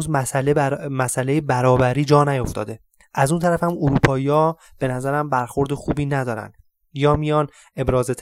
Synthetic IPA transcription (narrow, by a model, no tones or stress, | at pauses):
zæslmæsælejebæɾɒːbæɾiːd͡ʒɒːnæjoft̪ɒ̰ːd̪e̞ | ʔæzuːnt̪ʰæɾæfæmoɾuːpʰɒːijɒː | b̥e̞næzæɾæmbæɾxo̞ɾd̪exuːbiːnæd̪ɒːɾæ̰nd̪̥ | jɒːmijɒːn | e̞bɾɒːzet̪ʰ